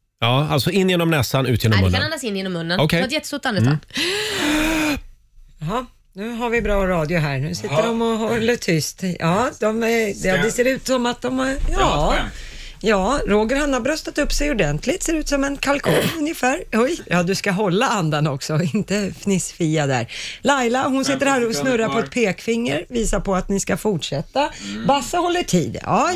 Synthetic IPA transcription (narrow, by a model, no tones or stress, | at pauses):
ɑːalt̪sɔɪnːjeːnɔmnɛsanʉ̟ːt̪jeːnɔm̰ːanːasɪnjeːnɔmːɵnːənɔkʰɛjɛt̪ːəsut̪ːand̪ə | ɦɑ | nʉ̟ːɦaɾvɪbɾɑːɾɑːd̪jʊɦæːɾɳʉ̟ːsɪt̪ːəɾɔmɔɦɔlːət̪ʰʏst̪jɑːd̪̥ɔmɛd̪ɛd̪ɛseːɾʉ̟ːt̪sɔmat̪̚d̪ɔmhaɾjɑː | jɑːɾoːɡəɾhanːaɾbɾœst̪at̪ɵpːsɛjʊɖɛnt̪ʰlɪt̪seːɾʉ̟ːt̪sɔmɛnkʰalkʰuːŋnɵnjəfæːɾɔjjɑːd̪ɵskaɦɔlːaand̪anɔksɔɪnt̪əfnɪsfiːad̪æ̰ɾlajlaɦʊnsɪt̪ːəɾhæːɾɔsnɵɾːaɾpʰɔɛt̪̚pʰeːkfɪŋːəɾviːsaɾpɔat̪nɪskafʊʈʂɛt̪ːabasːahɔlːəʈʰḭːd̪ɑ̰ː